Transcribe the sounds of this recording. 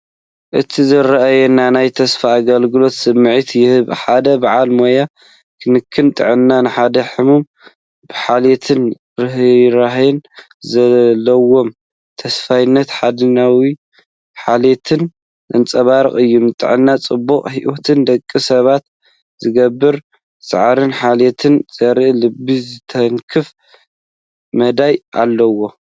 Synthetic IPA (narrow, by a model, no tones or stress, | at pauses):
ʔɨt̪ʰizɨɾaʔajɛnanajt̪ʰɐsfaːɡɐlɡɨlo̞t̪sɨmːɨʕit̪jɪhɨβħad̪ɐbaʕalmo̞ja | kʰɨnɨkʰːɨnt̪ʼɨ̰ʕɨnːanɨħad̪ɐħɨmum | b̥ɨħalet̪ʰɨn | ɾɨɦɾaɦɛn | zɐlːɐwo̞m | t̪ʰɐsfajnːɐt̪ħad̪ɨnawi | ħalet̪ʰɨn | ʔɨ̰nt͡sʼɐβaɾɨkʼɨjːunɨt̪ʼɨ̰ʕɨnːat͡sʼɨbːukʼħiʔot̪ʰɨnd̪ɐkʼːisɐβat̪ | zɨɡɐbːɨɾ | sʼa̰ʕɾɨnħalet̪ʰɨnz̥ɐɾɨʔlɨbizɨt̪ʰɐŋkʰɨf | mɐd̪ajʔa̰lːɐwo̞